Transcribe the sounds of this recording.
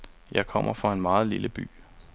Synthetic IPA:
jɑ̈ɪkʰɒ̽m̰ʔɐfɒe̝nmɑ̈ːð̞̩ˠliləb̥y̰ː

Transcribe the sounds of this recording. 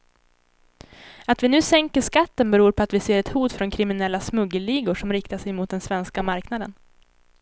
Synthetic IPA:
at̪vɪnʉ̟ːsɛŋkəʂkat̪ːənbɛɾuːɾpʰɔat̪vɪseːɾɛt̪huːt̪fɾɔnkʰɾɪmɪnɛlːasmɵɡːəliːɡʊʂɔmɾɪkt̪aʂɛjmʊːt̪̚d̪ɛnsvɛnskamaɾknad̪ən

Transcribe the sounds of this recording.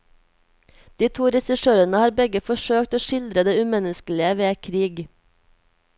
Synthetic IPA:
d̪̥iːt̪ʰuːɾɛsɪʃøːɾənəhɑːɾbɛɡəfɔʃøːkt̪oːʃɪld̪ɾəd̪eːʉmɛnəskəlɪəʋeːkʰɾiːɡ

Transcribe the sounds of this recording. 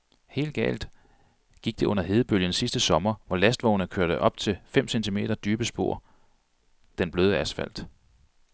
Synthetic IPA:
he̝̰ːld̥̚ɡ̥ɛ̰ːld̥ | ɡ̥iɡ̥d̥e̝ɔ̽n̰ɐɦe̝ðˠəb̥øljənsisd̥əsɒ̽mɐʋɒlæsd̥ʋɒʊnəkʰøɐɾ̥əʔɒ̽b̥t͡sʰe̝lfem̰sent͡sʰime̝̰ːɾ̥ɐd̥yːb̥əsb̥o̝̰ɐ̰ | d̥enb̥løːð̩ˠæsfæ̰l̰d̥

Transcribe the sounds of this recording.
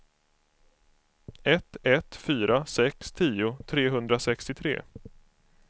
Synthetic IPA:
ɛt̪ːɛt̪fyːɾʔasɛkst̪ʰiːʊt̪ʰɾeːɦɵnd̪ɾasɛkst̪ɪt̪ʰɾḛː

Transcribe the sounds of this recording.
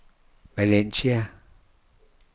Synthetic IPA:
balensia

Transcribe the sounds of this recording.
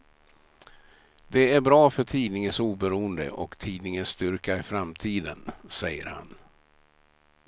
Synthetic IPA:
d̪ɛæɾbɾɑːfœʈʰiːnɪŋənsuːbɛɾuːənd̪ə̰ʔɔkt̪ʰiːd̪nɪŋənst̪ʏɾkaɪfɾamt̪ʰiːd̪ənsɛjːə̰ɾha̰n

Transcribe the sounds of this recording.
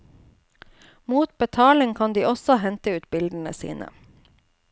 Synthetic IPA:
muːt̪̚bət̪ʰɑːlɪŋkʰɑnd̪iːʔɔsɔhɛnt̪əʉːt̪bɪld̪ən̩ə̰sḭːnʔə̰

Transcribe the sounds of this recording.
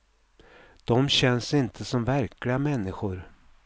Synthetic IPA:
d̪̥ɔmɕɛnsɪnt̪ʰəsɔmvæɾklɪɡamɛnːɪɧʊɾ

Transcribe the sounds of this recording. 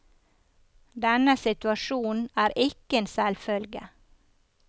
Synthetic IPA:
d̪ɛnəsɪt̪ʉɑʃuːn̩æːɾʔɪkəeːnsɛlfœlɡə̰

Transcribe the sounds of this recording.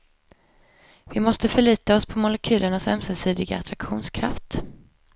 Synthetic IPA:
vɪmɔst̪əfœɭiːt̪aɔspʰɔmʊlɛkʰy̟ːləɳasœ̰msəsiːd̪ɪɡa̰ːt̪ʰɾakɧuːnskʰɾa̰ft̪

